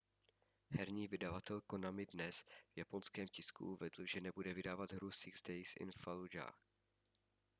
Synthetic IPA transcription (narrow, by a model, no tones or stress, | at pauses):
hɛɾɲiːvɪdavat̪ɛlkonamɪdnɛsvjapo̞nskɛːmcɪskṵʔuvɛdl̩ʒɛnɛbudɛvɪdaːvad̪ɦɾusɪɡzdɛjsɪ̰nfalud͡ʒa̰